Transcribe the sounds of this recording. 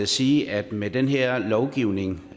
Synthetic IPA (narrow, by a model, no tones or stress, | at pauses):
siːʔæd̥med̥enɦeɐ̰lɒʊɡ̥iʊ̰ne̝ŋ